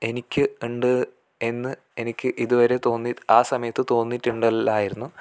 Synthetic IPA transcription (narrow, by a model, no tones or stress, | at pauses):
e̞nikʲːɨuɳɖɨ | e̞nːɨ | e̞nikʲːɨʔiðuʋɐɾe̞t̪o̞ːnːitaːsɐmɐjɐt̪ːɨt̪o̞ːnːitːuɳɖɐaːjiɾunːu